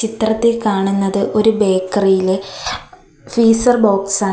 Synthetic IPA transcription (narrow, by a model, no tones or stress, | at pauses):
t͡ɕit̪rɐt̪ːikaːɳunːɐðɨʔo̞ɾube̞ːkːɐrijile | fiːsɐrbo̞ːksaː